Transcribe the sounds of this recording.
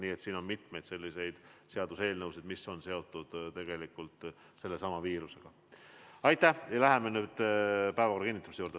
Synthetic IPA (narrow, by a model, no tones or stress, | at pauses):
niːet̪siːno̞nmit̪me̞jd̪se̞lːise̞jd̪̥se̞ɑd̪̥use̞ːlnɤwsid̪miso̞nse̞o̞t̪ːˑud̪̥t̪e̞ɡ̥e̞likːult̪ | se̞lːe̞sɑmɑviːɾuse̞ɡ̥ɑ | ɑjt̪ˑːæjɑlæɦemenyːd̪̥pæevɑkorːɑkinːit̪ːˑɑmisejuːɾd̪e